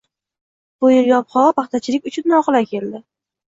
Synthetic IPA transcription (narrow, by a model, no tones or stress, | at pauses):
b̥ʊjɪɾjɒpχɒpɑχt̪ʰat͡ʃʰɪlɪk̚ʲʊt͡ʃʰʊnːɒqɨlakʲʰe̞ld̪ɪ